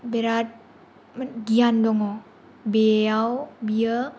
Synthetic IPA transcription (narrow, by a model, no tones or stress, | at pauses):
beɾat̚ | məɡiand̪oŋo | beawbiə